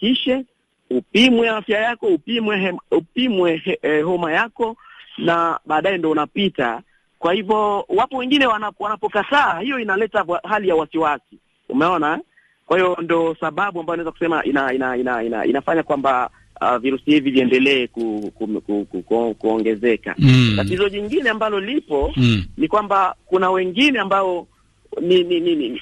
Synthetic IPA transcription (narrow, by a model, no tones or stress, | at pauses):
kiʃɛ | upimwɛafjajakɔupimwɛupimwɛɦɔmajakɔnaɓaːɗajɛndiɔunapita | kwahivɔwapɔwɛŋɡinɛwanawanapɔkataːhijɔinalɛtaahalijauwasiwasi | ṵmɛɔnaɛ | kwahiɔndɔsaɓaɓuambajɔnaɛzaku̥sɛmaʔinainainaina̰ḭnafaɲakwamba | a̰viɾusihiviviɛndɛlɛːkukukukukkuɔŋɡɛzɛka̰tatizɔʄiŋɡinɛambalɔlipɔnikwambakunawɛŋɡinɛambaɔ | nininini